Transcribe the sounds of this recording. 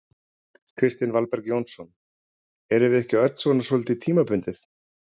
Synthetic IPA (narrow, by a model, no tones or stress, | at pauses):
kʰɾɪst̪ɪnvalpɛɾkjownsɔn | ɛɾɪvɪɛhcɪœt̪n̥svɔnasɔlt̪ɪt̪ʰiːmapʏnt̪ɪθ